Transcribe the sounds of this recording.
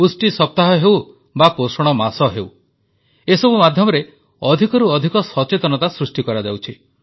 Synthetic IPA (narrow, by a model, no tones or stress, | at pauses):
usʈisɔp̚t̪aɦɔɦew | baposɔɽ̃ɔmasɔɦew | esɔbumad̪ʱjɔmɔɾe | ɔd̪ʱikɔɾuɔd̪ʱikɔsɔt͡ʃet̪ɔnɔt̪asɾusʈikɔɾad͡ʒawt͡ʃʰi